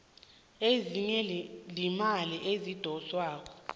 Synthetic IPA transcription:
eziɲɛlimaliʔezid̥ʱɔswaːk̬ɔ

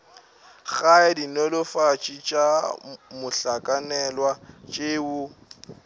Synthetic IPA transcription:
ɣaɛdinɔlʊfat͡ʃʼit͡ʃʼamʊɬakʼanɛlwat͡ʃʼewʊ

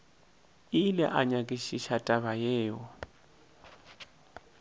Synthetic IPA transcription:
ilɛ̰ʔaɲakʼiʃiʃatʼaβajɛːjɔ

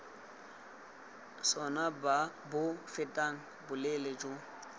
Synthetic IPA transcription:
sɔnabʊfɪtʼaŋ̩ | bʊlelɛd͡ʒo

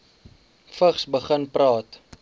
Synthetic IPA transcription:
fəχsbəχənprɑːt

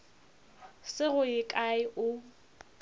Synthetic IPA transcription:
sɪɣʊɪkʼaɪʔʊ

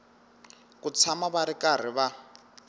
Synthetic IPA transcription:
kut͡sʰamaβaɾikar̤iβa

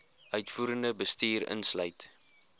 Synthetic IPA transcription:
ʔœɥtfuːɾəndəbəstiːrə̰nslœɥt

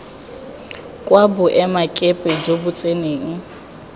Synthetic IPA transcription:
kʼwabʊʔɛmakʼɛpʼɛd͡ʒobʊt͡sʼeneːŋ̩

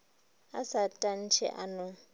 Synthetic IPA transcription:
asatʼan̩t͡ʃʰɛ̰ʔa̰nʊ

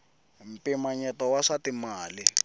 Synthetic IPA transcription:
m̩pimaɲɛtɔwaʂatimaːlɪ

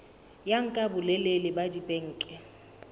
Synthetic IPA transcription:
jaŋ̩kʼabʊlɛlelɪbadipʼeŋ̩ːkʼɪ

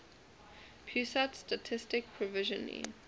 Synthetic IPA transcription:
pʰjusatstatʰɪstɪk̚pʰɹɔvɪʒə̃nḭ

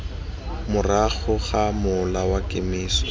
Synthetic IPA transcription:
mʊraɣʊɣamʊlawakʼemiːsɔ̥

